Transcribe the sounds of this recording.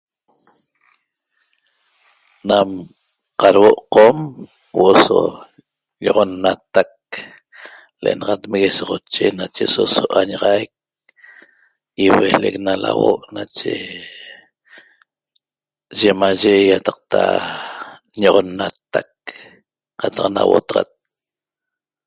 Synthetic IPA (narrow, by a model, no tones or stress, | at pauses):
nam | qɑɾwoʔqom | wʔoʔoso | ʎoʁonːat̪ak̚ | leʔenɑʁɑt̪meɣesoʁot͡ʃenat͡ʃesosoʔaɲaʁajk̚ | iweleknala̰woʔnat͡ʃe | ʒemaʒejat̪ɑq̚t̪a | ɲoʁonːat̪ak̚ | qɑt̪ɑqnawo̰t̪ɑʁa̰t̪̚